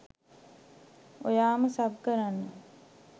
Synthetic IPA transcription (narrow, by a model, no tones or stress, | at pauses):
ojaːməsabkəɾanːə